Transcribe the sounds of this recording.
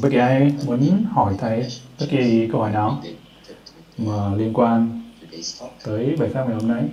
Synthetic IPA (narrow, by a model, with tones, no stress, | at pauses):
ɓə˦˥ki˨ʔaː˧jmu˨˦nhɔ˧˩jt̪ʰa˨˩jɓə˦˥t̚ki˨˩kə˧whɔ˧˩jnɔ˨˦ | maː˨˩li˧ənkwaː˧n | t̪əː˨˦jɓaː˨˩jfa˦˥miː˨˩ho˧na˧˩j